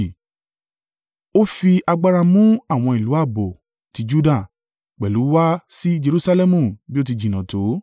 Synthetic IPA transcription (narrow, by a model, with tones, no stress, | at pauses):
o˦fi˧a˧ɡ͡ba˦ɾa˧mũ˦a˦˨w̃ɔ̃˧i˨lu˨˦a˦˨bo˨ | ti˨˧˦d͡ʒu˦da˦˨ | k͡pɛ˨lu˨˦wa˦si˦˧d͡ʒe˧ɾu˧˦sa˧lɛ˦mũ˨bi˦o˦t̬i˧d͡ʒi˨nã˨to˨˦